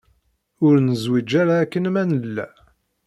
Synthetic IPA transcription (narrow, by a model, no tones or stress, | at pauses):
ʊɾnəzwid͡ʒːaɾaːkːənmænəlːæ̰